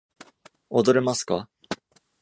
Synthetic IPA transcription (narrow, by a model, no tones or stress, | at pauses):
od̪o̞ɾe̞masɨ̥ka